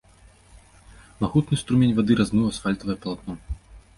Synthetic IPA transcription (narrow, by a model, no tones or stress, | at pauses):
maɣut̪nɨst̪ɾumʲenʲvad̪ɨɾazmɨwɐsfalʲt̪ɐvɐjɛpɐlˠat̪̚nɔ